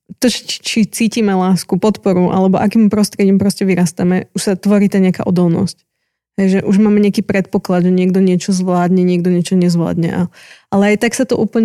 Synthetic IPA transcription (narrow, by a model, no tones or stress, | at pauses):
t̪ɔt͡ʃi̥t͡ʃit͡siːcimɛlaːskupɔt̪pɔɾuʔa̰lɛbɔʔakiːmpɾɔst̪ɾɪɛɟiːmpɾɔscɛʋiɾaːst̪amɛuʃsat̪ʋɔɾiːt̪aɲɪaka̰ːʔɔd̪ɔlˠnɔ̰sc | ɦɛjʒɛʔuʒmaːmɛɲɪakiːpɾɛt̪̚pɔklad̪ʒɛɲɪɛɡd̪ɔɲɪɛt͡ʃɔzʋlaːd̪ɲɛɲɪɛɡ̚d̪ɔɲɪɛt͡ʃɔɲɛzʋla̰ːd̪ɲɛ̰ʔaʔalɛajt̪aksat̪ɔʔuːpl̩ɲɛ